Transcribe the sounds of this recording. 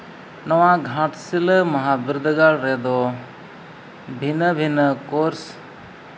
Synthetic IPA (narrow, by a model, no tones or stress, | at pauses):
nɔwãɡʱãʈsiləmɐɦãbiɾd̪əɡalɾɛd̪ɔ | bʱinəbʱinəkoɾs